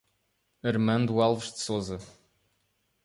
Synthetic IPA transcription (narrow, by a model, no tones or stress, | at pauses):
ɐɾmɐ̃nd̪ualˠvɨʃd̪sozɐ